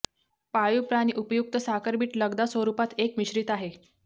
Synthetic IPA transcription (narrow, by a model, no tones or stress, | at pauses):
pajupɾañiʔupjuk̚t̪əsakəɾbiːʈləɡd̪asəɾupat̪ekmiɕɾit̪aɦe